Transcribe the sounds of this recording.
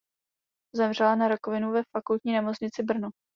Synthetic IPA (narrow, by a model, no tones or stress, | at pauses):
zɛmr̝ɛlanaɾakovɪnuvɛfakult̪ɲiːnɛmot͡sɲɪt͡sɪbr̩no